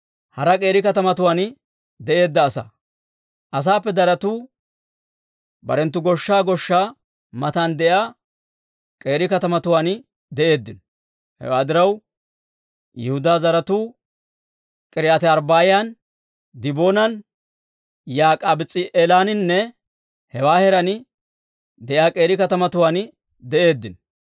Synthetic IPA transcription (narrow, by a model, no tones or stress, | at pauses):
hɐɾɐkʼe̞ːɾɪkɐt̪ɐmɐt̪ʊwaːn | d̪ɛʔe̞ːd̪ːɐːsɐ̰ | ʔɐs̬aːpːɛd̪ɐɾɐt̪uː | bɐ̰ɾɛnt̪ːʊɡɔʃːaːɡɔʃːaː | mɐt̪and̪ɛjaː | kʼe̞ːɾɪkɐt̪ɐmɐt̪ʊwaːn | d̪ɛʔe̞ːd̪ːɪnɔ | hɛ̰waːd̪ɪɾɐw | jɛhʊd̪aːzɐɾɐt̪uː | kʼɪɾɪat̪ɛɐɾbaːjɪjaːn | d̪ɪboːnɐn | jaːkʼaːbɪt͡sʼːɪʔɛlaːnɪnːɛ | hɛwaːhɛɾɐnɪ | d̪ɛʔjaːkʼe̞ːɾɪkɐt̪ɐmɐt̪ʊwaːn | d̪ɛʔe̞ːd̪ːɪn